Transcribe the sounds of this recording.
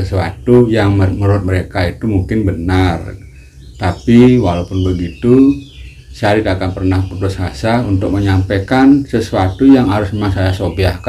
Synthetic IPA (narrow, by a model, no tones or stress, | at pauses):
əsuat̪ujaŋməməɾut̪̚məɾekait̪umuŋkɪnbənar | t̪apiwalaupʊnbəɡit̪u | saaat̪id̪akanpərnahput̪ʊshasaunt̪ʊk̚məɲampekansəsuat̪ujaŋɦaɾʊsmemaŋsajasobiahka